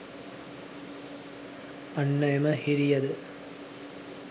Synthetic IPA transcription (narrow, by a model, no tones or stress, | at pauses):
ɐnːɐjmɐhiɾijɐðɨ